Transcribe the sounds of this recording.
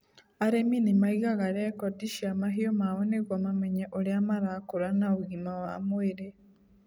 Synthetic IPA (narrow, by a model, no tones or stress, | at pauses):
aɾeminimaiɣaɣaɾekodiʃiamaɦiomaβoneɣwamameɲeʔoɾeamaɾakuɾanauɣimawa̰mweɾe